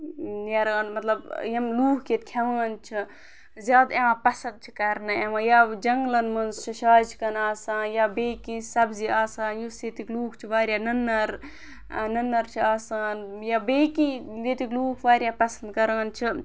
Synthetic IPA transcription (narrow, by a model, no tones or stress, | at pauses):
jɐɾaːnmɐt̪lɐbjɐmluːkʰket̪̚kʲʰɐʋaːnt͡ʃʰi | zʲjaːd̪eãːpɐsɐnd̪̚t͡ʃʰi̥kɐɾnɐeʋajaːd͡ʒɐŋɡlɐnmɐnzt͡ʃʰiʃaːt͡ʃʰkɐnaːsãːnjaːbeːkĩsɐbziaːsaːnjuseːt̪ikluːkʰt͡ʃʰiʋaːɾʲjaːnɐnːɐɾ | nɐnːɐɾt͡ʃʰiaːsaːnjaːbeːkileːt̪ikluːkʰʋaːɾjaːpɐsɐnd̪kɐɾaːnt͡ʃʰi